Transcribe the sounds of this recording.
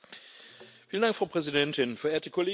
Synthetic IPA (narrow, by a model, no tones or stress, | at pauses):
fiːləndaŋkfʁaʊpʁ̥ɛzidɛntɪnfɛɐeːɐtəkʰoleː